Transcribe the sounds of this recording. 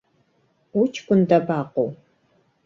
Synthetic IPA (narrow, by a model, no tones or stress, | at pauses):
ut͡ʃʰkʷʊndɐbaːqow